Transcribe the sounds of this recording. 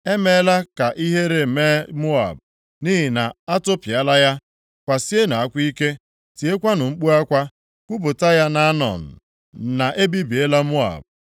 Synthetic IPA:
e˦me˨˦la˦ka˨ʔi˦ɦe˦ɾe˨me˦mʊ˦a̰˨b̚ | ni˦ɦi˨na˨a˦tʊ˦pi˨a˦la˦ja˦ | kʷa˨si˦e˦na˨a˦kʷi˦ke˦ | ti˨e˦kʷa˦nʊ˨ŋ͡m̩˦k͡pu˦a˦kʷa˦ | kʷu˦bʊ˨ta˦ja˦na˦nɔ̰˨n̩˨ | na˨ʔe˦bi˦bi˨e˦la˦mʊ˦a̰˨b̚

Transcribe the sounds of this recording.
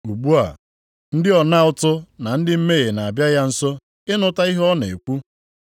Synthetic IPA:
u˨ɡ͡bu˦a̰˨ | n̩˦dɪ˦ɔ˨na˦ʊ˦tʊ˦na˨n̩˦dɪ˦m̩˦me˦ɣe˨na˨a˨bja˦ja˦n̩˦sɔ˦ | ɪ˦nʊ˦ta˦i˦ɦɔ˦ne˨e˨kʷu˦

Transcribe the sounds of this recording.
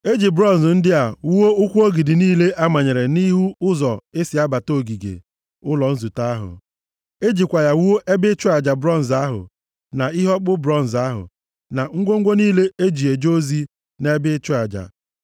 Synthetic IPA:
e˦d͡ʒi˨bɾɔ˦˨n̩˨zn̩˦dɪ˦a˨wu˦wo˦ʊ˦kʷu˦o˦ɡi˨dɪ˨niː˦le˦ʔa˦ma˨ɲe˨ɾe˨ni˦ɦu˦ʊ˦zɔ˨e˦sɪ˨a˦ba˨to˦˨ɡi˨ɡḛ˨ | ʊ˦lɔ˨n̩˦zu˨ta˦a˦ɦʊ̰˨ | e˦d͡ʒi˨kʷa˨ja˨wu˦o˦ʔe˦bɪ˦t͡ʃʊ˦a˨d͡ʒa˨bɾɔ˦˨n̩˨za˦ɦʊ̰˨ | na˨i˦ɦɔ˦k͡pʊ˦bɾɔ˦n̩˨za˦ɦʊ̰˨ | na˨ŋ̩˦ɡʷo˦ŋ̩˦ɡʷo˦niː˦le˦e˦d͡ʒi˨e˨d͡ʒo˦zi˦ | ne˦bɪ˦t͡ʃʊ˦a˨d͡ʒa̰˨

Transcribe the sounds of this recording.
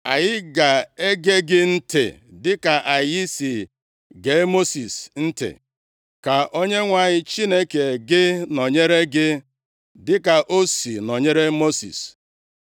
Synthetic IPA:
a˨jɪ˦ɡa˨e˦ɡe˦ɡɪ˦n̩˦tḛ˨dɪ˦ka˨ʔa˨ji˦si˨ | ɡe˨˦mo˦si˨sn̩˦tḛ˨ | ka˨ʔo˦ɲe˦ŋʷa˨ɲɪ˦t͡ʃi˦ne˦ke˨ɡɪ˦nɔ˨ɲe˦ɾe˦ɡɪ˦ | dɪ˦ka˨ʔo˦si˨nɔ˨ɲe˦ɾe˦mo˦sḭ˨s

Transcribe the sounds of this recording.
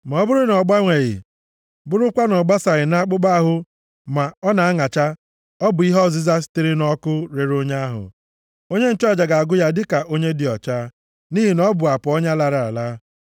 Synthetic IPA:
ma˨ɔ˦bʊ˦ɾʊ˦nɔ˨ɡ͡ba˦ŋʷe˨ɣɪ̰˨ | bʊ˦ɾʊ˦kʷa˦nɔ˨ɡ͡ba˦sa˨ɣɪ˨na˦k͡pʊ˦ɡ͡ba˦ɦʊ˦ | ma˨ɔ˦na˨a˦ŋa˨t͡ʃa˦ | ɔ˦bʊ˨i˦ɦɔ˦˨zi˦za˦stɪ˦ɾɪ˦nɔ˦kʊ˦ɾe˨ɾo˦ɲe˦a˦ɦʊ̰˨ | o˦ɲe˦n̩˦˨t͡ʃɔ˦˨d͡ʒa˨ɡa˨a˨ɡʊ˦ja˦dɪ˦ka˨ʔo˦ɲe˦dɪ˨ɔ˨t͡ʃa˦ | ni˦ɦi˨nɔ˦bʊ˨a˨pʊ˨ɔ˦ɲa˦la˨ɾa˨a̰˨la˦

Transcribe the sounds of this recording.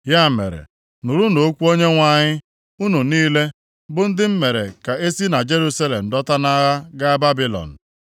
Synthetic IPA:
ja˦mḛ˨ɾḛ˨ | nu˨ɾu˦no˨o˦kʷu˦o˦ɲe˦ŋʷa˨ɲɪ˦ | u˦nu˨niː˦le˦ | bʊ˨n̩˦dɪ˦m̩˦me˨ɾḛ˨ka˨e˦si˦na˨d͡ʒe˦ɾu˦sa˦le˨m̩˨dɔ˦ta˦na˦ɣa˦ɡa˦ba˦bi˦lɔ̰˨n̩˨

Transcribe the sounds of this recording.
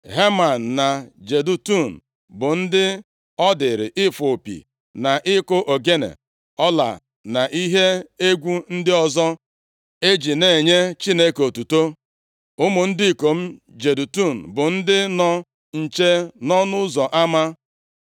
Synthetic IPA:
ɦe˦ma˨n̩ː˨a˨d͡ʒe˨du˨tu˦˨n̩˨ | bʊ˨n̩˦dɪ˦ | ɔ˦dɪ˨ɾɪ̰˨ʔɪ˦fo˨pḭ˨ | na˨ʔɪ˦kʊ˦ʔo˨ɡe˦nḛ˨ | ɔ˦la̰˨ | na˨ʔi˦ɦe˦e˦ɡʷu˦n̩˦dɪ˦ɔ˦zɔ˦ | e˦d͡ʒi˨ne˨ɲe˦t͡ʃi˦ne˦ko˨tu˨to˦ | ʊ˦mʊ˨n̩˦dɪ˦˨ko˨m̩˦ | d͡ʒe˨du˨tu˦˨n̩˨bʊ˨n̩˦dɪ˦nɔ˦ | n̩˨t͡ʃe˦nɔ˦nʊ˦zɔ˨ʔa˦ma˦

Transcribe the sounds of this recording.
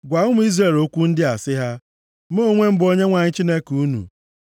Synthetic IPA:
ɡʷa˨ʊ˦m̩ʊ˦i˦zɾe˨lo˦kʷu˦n̩˦dɪ˦a˨sɪ˦ɦa˦ | m˦o˦˨ŋʷe˦m̩˦bo˦ɲe˦ŋʷa˨ɲɪ˦t͡ʃi˦ne˦kuu˦nṵ˨

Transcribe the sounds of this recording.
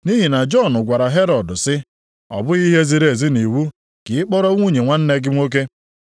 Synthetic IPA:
ni˦ɦi˨na˨d͡ʒɔ˦˨nʊ˨ɡʷa˨ɾa˨ɦe˦ɾɔ˨dʊ˨sɪ˦ | ɔ̰˨bʊ˦i˦ɦe˦zi˨ɾe˨zɪ˦ni˨wu˦ | kɪ˨ɪ˦k͡pɔ˦ɾɔ˦ŋʷu˦˨ɲe˨ŋʷa˦n̩˦ne˦ɡɪ˦mʷ˦o˦k̬e˦

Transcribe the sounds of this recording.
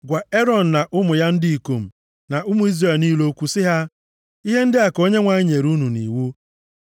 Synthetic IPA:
ɡʷa˨e˦ɾɔ˨n̩˨na˨ʔʊ˦mʊ˨ja˦n̩˦dɪ˦i˨ko˨m̩˨ | na˨ʔʊ˦mʊ˨i˦zre˨lniː˦lo˦kʷu˦sɪ˦ɦa˦ | i˦ɦe˦n̩˦dɪ˦a˨ko˦ɲe˦ŋʷa˨ɲɪ˦ɲe˨ɾu˦nu˨nḭ˨wu˦

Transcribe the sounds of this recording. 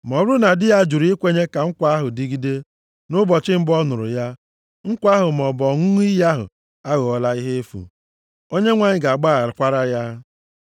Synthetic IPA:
m˨ɔ˨bɾʊ˦na˨dɪ˦ja˦d͡ʒu˨ɾi˦kʷe˦ɲe˦ka˨ŋ̩˦kʷa˦ɦʊ˨di˦ɡi˦de˦ | nʊ˦bɔ˨t͡ʃɪ˦m̩˦bɔ˦nʊ˨ɾʊ̰˨ja˦ | ŋ̩˦kʷa˦ɦʊ˨m˨ɔ˨bɔ˨ŋʊ˦i˦ja˦ɦʊ̰˨ | a˦ɣo˨ɔ˦la˦i˦ɦe˦e˦fṵ˨ | o˦ɲe˦ŋʷa˨ɲɪ˨ɡa˨a˨ɡ͡ba˦˨ɾɪ˨kʷa˦ɾa˦ja˦

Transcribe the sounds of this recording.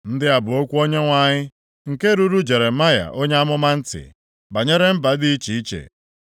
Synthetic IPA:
n̩˦dɪ˦a˨bʊ˨o˦kʷu˦o˦ɲe˦ŋʷa˨ɲɪ˦ | ŋ̩˨ke˦ɾu˦ɾu˦d͡ʒe˨ɾe˨ma˦ja̰˨ʔo˦ɲ˦a˦mʊ˦ma˦n̩˦tɪ̰˨ | ba˨ɲe˦ɾe˦m̩˦ba˨dɪ˦i˦t͡ʃi˨i˦t͡ʃḛ˨

